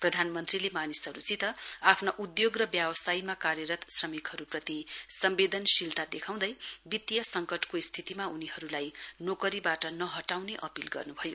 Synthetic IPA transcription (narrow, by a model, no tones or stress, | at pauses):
prʌd̪ʱanmʌnt̪rilemanisɦʌɾut͡sit̪ʌapʰnaʔud̪joɡrʌbjabʌsajmakaɾjʌɾʌt̪srʌmikɦʌɾuprʌt̪isʌmbed̪ʱʌnsilt̪ad̪ekʰaw̃d̪ʌjbit̪ːjʌsʌŋkʌʈkoist̪ʰit̪imauniɦʌɾulajnokʌɾibaʈʌnʌɦʌʈawneʔʌpilɡʌ̰rnubʱʌjo